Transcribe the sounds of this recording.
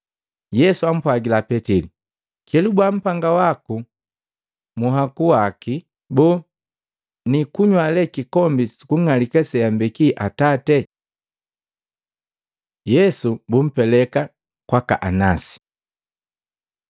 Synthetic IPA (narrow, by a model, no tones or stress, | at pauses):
jɛsuam̩pwaɡilapɛtili | kɛlubwam̩paŋɡawaku | muɦakuwaki | bɔ | nikuɲwalɛkikɔmbisi̥kuŋŋalikɛsɛjambɛkiʔatatɛ | jɛsubum̩pɛlɛka | kwaka̰ʔanasi̥